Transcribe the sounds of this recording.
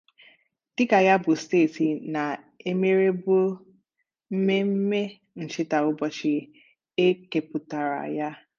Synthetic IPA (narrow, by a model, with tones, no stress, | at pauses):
d̥ɪ˦ka˨ja˦bʊ˨steː˦˨ti˨na˨ | e˦me˦ɾe˦bo˦ | m̩˦me˦m̩˦me˦ | n̩˨t͡ʃɪ˦ta˨ʊ˦bɔ˦t͡ʃɪ˦ | e˦ke˨pʊ˨ta˨ɾa̰˨ja˦